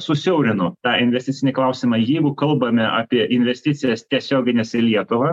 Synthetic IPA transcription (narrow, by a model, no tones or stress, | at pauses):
sʊsʲɛʊɾʲɪnʊt̪ɑːɪnʲʋʲɛsʲtʲɪtt͡s̪sʲɪnʲɪklˠɐʊsʲɪmɑːjɛɪɡʊkɐlˠbɐmʲɛʔɑːpʲiɛʔɪnʲʋʲɛsʲt̪ʲɪt̪sʲɪjɛst̪ʲiɛsʲoːɡʲɪnʲeːsɪlʲiɛt̪ʊʋɐ